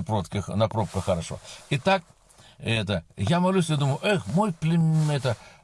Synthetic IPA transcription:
pɾot̪kʲɪxnɐpɾop̚kəxːəɾɐʂo̰ɪt̪ak̚ | ɛt̪əjamɐlʲusʲjad̪uməjʊʔexmo̞jplʲɪɛt̪ə

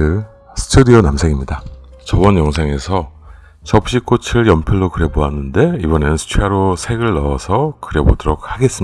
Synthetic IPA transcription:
ɯ | sʰɯ̥tʰudionamsʰe̞ŋimɲida | t͡ɕʌbʌnjʌŋsʰe̞ŋe̞sʰʌ | t͡ɕʌp̚ɕ͈ik͈ot͡ɕʰiɯɭjʌmpʰjiɭːokɯɾe̞boɦanːɯnde̞ibʌne̞nɯnsʰɯ̥t͡ɕʰeaɾosʰe̞ɡɯɭːʌːsʰʌkɯɾe̞bodɯɾok̚haɡe̞s͈ɯm

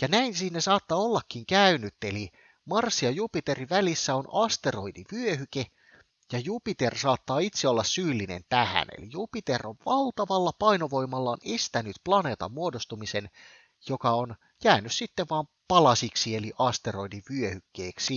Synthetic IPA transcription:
jɑnæinsiːnːesɑːt̪ːɑolːɑkːiŋkæynyt̪ːeli | mɑrsːiɑjupit̪e̞riʋælisːæonɑst̪e̞ro̞idiʋyøhyke | jɑjupit̪ersɑːt̪ːɑːit̪seolːɑssyːlːinḛnt̪æhæ̰nḛlḭjupit̪eroʋʋɑlt̪ɑʋɑlːɑpɑino̞ʋo̞imːɑlːɑonest̪ænyt̪plɑne̞ːt̪ɑ̰mːuodost̪umisen | jokɑon | jæːnyssit̪ːeʋʋɑːm | pɑlɑsiksieliʔɑst̪ero̞idiʋyøhykːeːksi

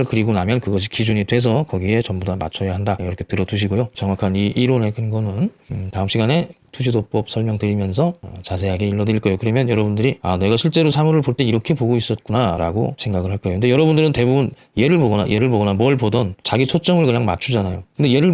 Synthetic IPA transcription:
ɭkɯɾiɡonamjʌnkɯɡʌɕ̬ʰi̥kid͡ʑuɲidwe̞s̬ʰʌkʌɡie̞t͡ɕʌmbodama̰t͡ɕʰʌjaɦandajɾʌkʰe̞tɯɾʌduɕ̬ʰiɡojot͡ɕʌŋwakʰaniʔiɾone̞kʰɯnɡʌnɯntaɯmɕ͈ʰiɡane̞tʰuɕʰidop͈ʌp̚sʰʌɭmjʌŋtɯɾimjʌns̬ʰʌt͡ɕasʰe̞ɦaɡe̞iɭːʌdɯɾiɭk͈ʌjokɯɾʌmjʌnjʌɾʌbundɯɾia̰ne̞ɡaɕʰiɭt͡ɕ͈e̞ɾosʰamuɾɯɭpoɭt͈e̞iɾʌkʰe̞poɡois͈ʌt̚k͈unaɾa̰ɡo̰sʰe̞ŋɡaɡɯɭhaɭk͈ajokɯnde̞jʌɾʌbundɯɾɯnte̞bubun | je̞ɾɯɭpoɡʌna̰jʔe̞ɾɯɭboɡʌnamwʌɭpodʌnt͡ɕaɡit͡ɕʰot͡ɕ͈ʌmɯɭkɯɲaŋma̰t͡ɕʰud͡ʑanajokkɯndeje̞ɾɯɭ

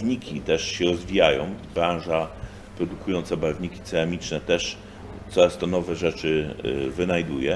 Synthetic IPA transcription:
vɲikʲit̪ɛʂɕɛɾɔzvʲijajɔ̃w̃bɾãw̃ʐa | pɾɔd̪ukujɔnt̪sabavɲikʲi̥t̪sɛamʲit͡ʂnɛt̪ɛʂ | t̪sɔɾast̪ɔnɔvɛʐɛt͡ʂɘvɘnajd̪ujɛ

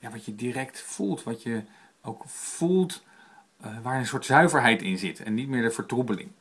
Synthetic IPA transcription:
jaːʋɑtjədiːrɛktfulˠtʋɑtjə | owkfulˠt | ʋaːɹənsʊːɹtsœɥvəɹɦɛjtɪnzɪtʰɛ̰nːitmɪːɹdəvəɹtrubəlɪ̰ŋ

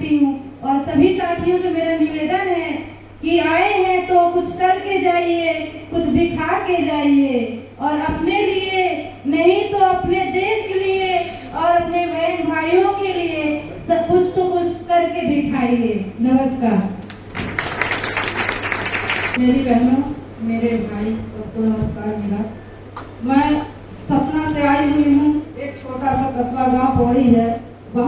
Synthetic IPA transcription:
t̪iɦũɔːɾsɐbʱisaːt̪ʰijõsemeːɾanɪʋeːd̪ənɦɛ | kiaːeɦɛ̃t̪okʊt͡ʃʰkɐɾked͡ʒaːiekʊt͡ʃʰbʱɪʈʰaked͡ʒaːie | ɔːɾɐpnelie | nɐɦĩt̪oɐpned̪eːʃkelie | ɔːɾɐpnebʱɛnbʱaːijõkelie | sɐb̚kʊt͡ʃʰt̪okʊt͡ʃʰkɐɾkebʱiʈʰaːiɡeːnɐməskaːɾ | meːɾibɛɦnũ | meːɾebʱaːisɐbk̪onɐməskaːɾmeːɾa | mɛ̃ː | sɐpnaseaːiɦuiɦũeːktʰoːʈasat̪ɐsʋaɡãːwpɐɽiɦɛː | bɐ

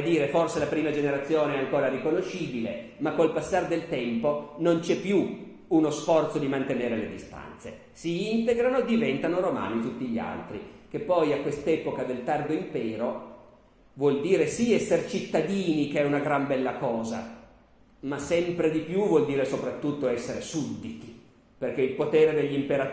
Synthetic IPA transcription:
d̪iːɾeforselapɾiːmad͡ʒeneɾat̪sːjoːneɛaŋkoːɾaɾikonoʃːiːbilḛ | makːolpasːard̪elt̪ɛmponont͡ʃɛpːju | unosfɔrt̪sod̪imant̪eneːɾeled̪ist̪a̰nt̪sḛ | siint̪eɡɾanoed̪ivɛnt̪anoɾoma̰ːnit̪ut̪ːiʎːia̰lt̪ɾḭk̟epːɔjakːwest̪ɛːpokad̪elt̪ard̪oimpɛːɾo | vwɔld̪iːɾesiɛsːert͡ʃit̪ːad̪iːnikeɛunaɡɾambɛlːakɔːza̰ | masɛmpɾed̪ipjuvwɔld̪iːɾesopɾat̪ːut̪ːoɛsːeɾesud̪it̪i | perk̟eilpot̪eːɾed̪eʎːimpeɾat̪

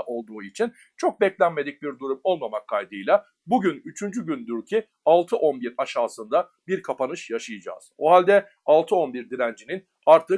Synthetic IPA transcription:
ʔo̞lˠd̪uːit͡ʃʰin | t͡ʃʰo̞k̚bɛclʲænme̞d̪ic̚biɾd̪uɾumo̞lˠmamakʰːajd̪ɯjlˠa | buɟynyt͡ʃʰynd͡ʒyɟynd̪yɾcʰi | alˠt̪ʰɯʔo̞nbiɾaʃaːsɯnd̪a | biɾkʰapanɯʃjaʃɯjɯd͡ʒa̰ːz̥oɦalʲd̪ɛ | alˠt̪ʰɯo̞nbiɾd̪iɾænd͡ʒinin | aɾt̪ʰɯ

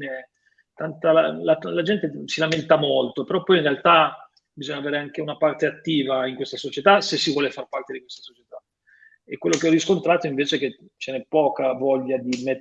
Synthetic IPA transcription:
ne | t̪ant̪alalalad͡ʒɛnt̪esilament̪amolt̪opeɾɔpːɔjinrealt̪a | bizɔɲːaveːɾeaŋk̟eunapart̪eat̪ːiːvaiŋkwest̪asot͡ʃet̪asesːivwɔːlefarpart̪ed̪ikwest̪ḁsot͡ʃet̪a | ekːwelːokeɔriskont̪ɾaːt̪oiɱveːt͡ʃek̟e | t͡ʃenɛpːɔːkavɔʎːad̪ime

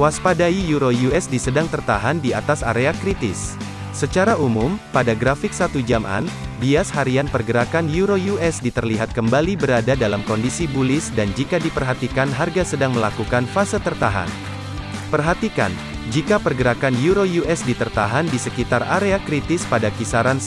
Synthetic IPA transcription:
waspadaijuɾojuɛsdisədaŋt̪ərt̪aɦandiat̪asa̰ɾeakɾit̪ɪsː | ət͡ʃaɾaumumpadaɡɾafɪk̚sat̪ud͡ʒamʔa̰nbiashaɾianpərɡəɾakanjuɾojuʔɛsdit̪ərliɦat̪̚kəmbalibəɾadadalamkɔndisibulɪsdand͡ʒikadipərɦat̪ikanɦarɡasədaŋməlakukanfasət̪ərt̪aɦa̰n | pərɦat̪ika̰n | d͡ʒikapərɡəɾakanjuɾojuʔɛsdit̪ərt̪aɦandisəkit̪ara̰ɾeakɾit̪ɪspadakisaɾan

